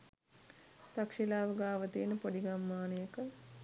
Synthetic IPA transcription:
t̪akʂilaːʋəɡaːʋət̪inəpoɖiɡamːaːnəjəkə

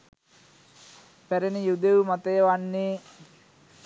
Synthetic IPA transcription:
pæɾenijud̪eumat̪əjəʋanːeː

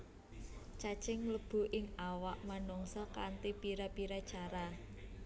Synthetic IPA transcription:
t͡ʃat͡ʃɪŋləb̥ṳʔɪŋawaʔmanɔŋsɔkant̪ipiɾapiɾḁt͡ʃaɾa

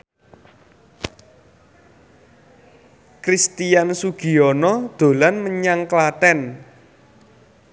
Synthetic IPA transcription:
kɾist̪ijansuɡ̥i̤ɔnɔd̪̥o̤lanməɲaŋklat̪ɛn

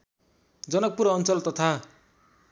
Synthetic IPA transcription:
d͡zʌnʌk̚puɾʌnt͡sʌlt̪ʌt̪ʰa

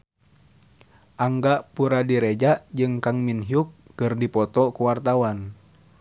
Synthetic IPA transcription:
ʔaŋɡaʔpuɾadiɾed͡ʒaʔd͡ʒɨŋkaŋminɦiukːɨrdipɔt̪ɔkuwart̪awan

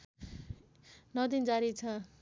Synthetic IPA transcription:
nʌd̪ind͡zaɾit͡sʰʌ

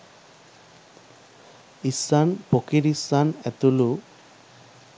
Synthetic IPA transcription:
isanpokiɾisanɛt̪ulu

